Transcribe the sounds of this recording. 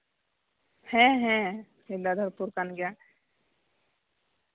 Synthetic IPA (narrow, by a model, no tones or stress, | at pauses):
hɛ̃ɦɛ̃ | ilːad̪ʱəɾpuɾkanɡja